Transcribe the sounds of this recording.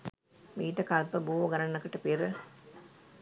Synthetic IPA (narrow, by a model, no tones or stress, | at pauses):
miːʈəkalpəbuːʋoɡaɾanːɐkəʈəpiɾə